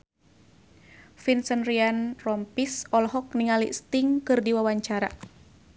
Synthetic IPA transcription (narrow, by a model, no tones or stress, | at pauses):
finsənrianrɔmpisɔlɦɔk̚niŋalḭʔst̪iŋkɨrdiwawaɲt͡ʃaɾa